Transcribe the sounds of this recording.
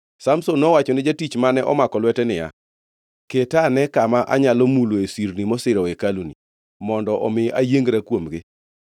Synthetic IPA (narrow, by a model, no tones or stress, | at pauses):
samsonːɔwat͡ʃɔnɪd͡ʒatit͡ʃmanɛʔɔ̰makɔlwɛtɛnɪja̰ | ketanɛkamaʔaɲalɔmuloesiɾnimɔsɪɾɔekaluni | mɔndɔʔɔmɪajeŋɡɾakwomɡɪ